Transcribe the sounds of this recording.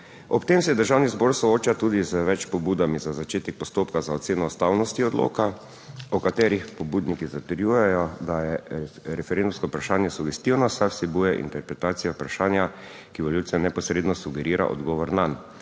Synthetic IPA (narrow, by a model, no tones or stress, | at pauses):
ɔpt̪emsɛd̪əɾʒawnizboːɾsɔoːt͡ʃat̪uːd̪izəʋɛt͡ʃpɔbuːd̪amizazat͡ʃeːt̪ɛk̚pɔst̪oːpkazaɔt̪seːnɔust̪awnɔst̪iɔd̪lo̰ːka | ɔkat̪ɛːɾixpɔbuːd̪nikizat̪əɾjujɛjɔd̪ajɛɾɛfɛɾend̪umskɔpɾaʃaːnjɛsuɡɛst̪iwnɔsajwsɛbujɛʔḭnt̪ɛɾpɾɛt̪aːt̪sijapɾaʃaːnja | kiʋoljusɛnɛpɔsɾed̪nɔsuɡɛɾiːɾa̰ʔɔ̰d̪ɡɔːʋɔɾnan